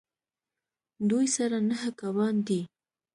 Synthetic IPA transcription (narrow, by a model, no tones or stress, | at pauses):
d̪ujsaɾanaɦakawɑnd̪i